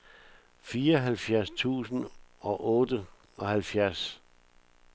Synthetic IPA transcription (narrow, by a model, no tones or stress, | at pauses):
fiːɐɦælfjæɐst͡sʰṵːsn̩ɒ̽ʔɔ̽ːd̥ə | ɒ̽hælfjæɐs